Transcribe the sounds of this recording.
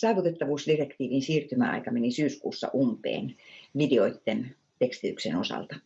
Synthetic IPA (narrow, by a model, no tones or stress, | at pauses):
sɑːʋut̪et̪ːɑʋuːsdirekt̪iːʋinsiːrt̪ymæɑ̰ikɑmenisyːskṵːsːɑ̰ʔumpḛːnʋideoit̪ːen | t̪ekst̪iyksḛnosɑ̰lt̪ɑ